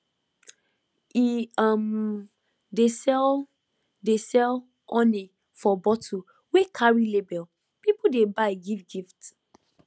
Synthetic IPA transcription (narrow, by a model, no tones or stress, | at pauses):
iam | de | desɛl | ɔ̃ni | fɔbɔtʰu | wekʰaɹilebɛl | pipodebaɪɡivɡift